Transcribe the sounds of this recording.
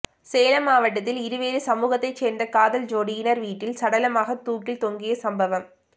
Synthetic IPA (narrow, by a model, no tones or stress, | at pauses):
seːlɐmaːʋɐʈːɐt̪ːɪlɪɾɯʋeːɾɯsɐmuːɣɐt̪ːɐɪt͡ʃːeːndrɐkaːðɐld͡ʒoːɽɪɪnɐɾʋiːʈːɪlsɐɽɐlɐmaːɣɐt̪uːkːɪlt̪ɔŋɡɪjɐsɐmbɐʋɐm